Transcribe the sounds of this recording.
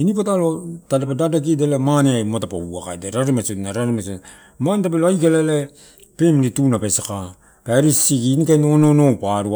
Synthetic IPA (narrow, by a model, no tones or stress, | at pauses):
inipotalotalepadadak̬idelemaneajmotapa̰uaka̰edeɾaɾemasotnaɾaɾemaso | manetapeloajkalele | pemlitunapesaka | paeɾisiɡinikanononopaɾu